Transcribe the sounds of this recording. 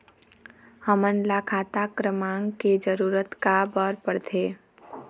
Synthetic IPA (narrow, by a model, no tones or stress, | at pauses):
həmənlakʰaːt̪akɾəmãːŋɡked͡ʒəɾuːɾət̪kabəɾpəɽt̪ʰeː